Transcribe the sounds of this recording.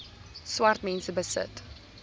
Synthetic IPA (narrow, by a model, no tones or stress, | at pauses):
swartmɛ̃nsəbəsə̰t